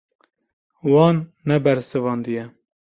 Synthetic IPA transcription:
wɑːnːɛbɛɾsɨvɑːnd̪ijɛ

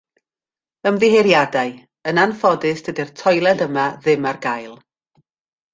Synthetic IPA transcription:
əmðɪɦeɾjadaɨ | ənanfɔdɨsd̥ədɪrtʰɔjlˠɛdəmaðɪmarɡajlˠ

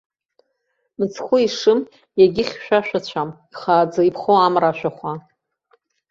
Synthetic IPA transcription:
mɨt͡sʰχʷʊiʂɨm | jaɡʲɪχʲʃᶣaʃᶣat͡ɕʷʰamiχaːd͡zaipʰχowamraʃʷᶣaχʷa

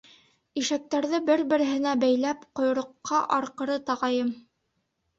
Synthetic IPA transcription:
iʃæk̚t̪æɾðɘbɘɾbɘ̆ɾɘ̆ɦɘ̆næbæjlæpqŏj̆ɾŏqːɑʔɑɾqɤ̆ɾɤt̪ɑʁɑjɤm

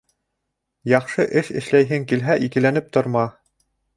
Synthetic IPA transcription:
jɑχʃɤʔɘʃɘ̆ʃlæjɦɘŋkilɦæʔikɘ̆lænɘp̚t̪ŏɾmɑ

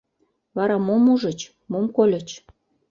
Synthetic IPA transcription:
βɑɾɑmomuʒət͡ɕ | momkolʲət͡ɕ

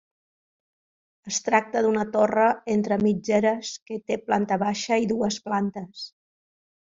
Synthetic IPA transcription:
əst̪ɾak̚t̪əðunət̪orəent̪ɾəmid͡ʒɛɾəskət̪eplant̪əβaʃəiðuəsplant̪əs

